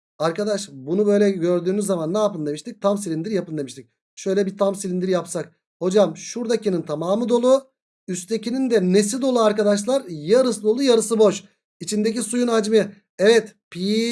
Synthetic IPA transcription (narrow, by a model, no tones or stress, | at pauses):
aɾkad̪aʃbunubø̞jlʲɛɟø̞ɾd̪yːnyzːamanːaːpɯnd̪eiʃt̪ic̚t̪ʰamsilʲind̪iɾjapɯnd̪eiʃt̪ʰic̚ | ʃø̞jlʲɛbit̪ʰamsilʲind̪iɾjapsak̚ | ho̞d͡ʒamʃuɾd̪acinint̪ʰamaːmɯd̪o̞lˠu | yst̪ʰe̞cʰinind̪ɛnes̬id̪o̞lˠuaɾkad̪aʃlˠaɾjaɾɯsd̪o̞lˠujaɾɯsɯbo̞ʃ | it͡ʃʰind̪ec̬isujunad͡ʒmɯ | ɛvɛt̪pʰi